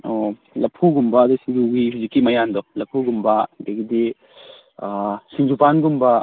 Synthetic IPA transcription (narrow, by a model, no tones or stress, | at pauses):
o | lɐpʰuɡumbɐːd̪usiŋd͡ʒuɡiɦud͡ʒikːimɐjand̪ɔlɐpʰuɡumbɐdeɡid̪i | siŋd͡ʒupanɡumbɐ